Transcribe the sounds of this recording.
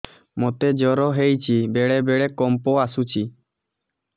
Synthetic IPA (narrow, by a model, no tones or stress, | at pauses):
mot̪ed͡ʒɔɾɔɦejt͡ʃʰibeɽebeɽekɔmpɔasut͡ʃʰi